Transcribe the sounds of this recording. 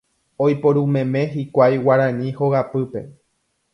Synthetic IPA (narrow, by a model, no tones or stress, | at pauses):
ojpoɾũmẽ̞mẽ̞ɦikʷajwaɾãɲĩhoɣapɨpe̞̰